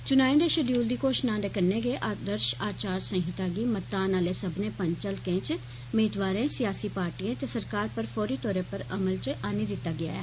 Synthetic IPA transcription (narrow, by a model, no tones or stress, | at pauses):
t͡ʃʊnaːẽːd̪eːʃəɖjuːld̪iːkoːʃnãːd̪eːkənːẽːɡeːʔaːd̪əɾʃaːt͡ʃaːɾsə̃ŋɦɪt̪aːɡiːmət̪ːaːnaːleːsəbneːpəɲt͡ʃəlkẽːt͡ʃ | meːd̪ʋaːɾẽːsɪjaːsiːpaːɾʈiːẽːt̪eːsəɾkaːɾpəɾpʰɔːɾiːt̪ɔːɾẽːpəɾəməlt͡ʃaːniːd̪ɪt̪ːaːɡɪa̰ːɛ̰ː